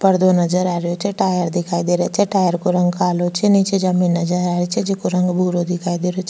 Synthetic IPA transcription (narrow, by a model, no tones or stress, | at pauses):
pəɾd̪onɐd͡ʒəɾaɾjot͡ʃʰɛʈaːjəɾd̪ɪkʰaːid̪eɾat͡ʃʰɛʈaːjəɾkoɾə̃ŋɡkaːlot͡ʃʰɛnit͡ʃʰed͡ʒaminːəd͡ʒəɾaɾit͡ʃʰed͡ʒekoɾəŋɡbʱuɾod̪ɪkʰaːid̪eɾjot͡ʃʰ